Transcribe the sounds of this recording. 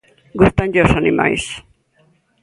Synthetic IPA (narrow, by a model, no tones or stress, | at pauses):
ɡust̪anʎosanima̰js